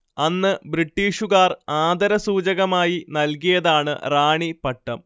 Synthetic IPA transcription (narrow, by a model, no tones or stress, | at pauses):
ɐnːɨbɾiʈːiːʂuɣaːraːd̪ɐɾɐsuːd͡ʑɐɣɐmaːjinɐlkijɐðaːɳɨ̰raːɳipɐʈːɐm